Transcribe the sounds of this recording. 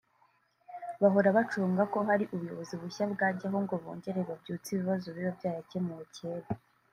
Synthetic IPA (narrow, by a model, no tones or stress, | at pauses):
βaɦo̞ɾaβat͡ʃuːŋɡako̞ɦaɾiʔuβujo̞̰βoziβuçabɡaːɟaɦoŋɡo̞βo̰ːɲɟe̞ɾeβabɟuːt͡siβiβazoβiɾobɟaːjacemuceːɾe